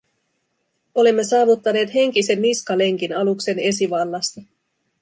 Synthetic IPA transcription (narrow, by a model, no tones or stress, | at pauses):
o̞limːe̞sɑːʋut̪ːɑne̞ːt̪he̞ŋk̟ise̞nːiskɑle̞ŋk̟inɑlukse̞ne̞siʋɑlːɑst̪ɑ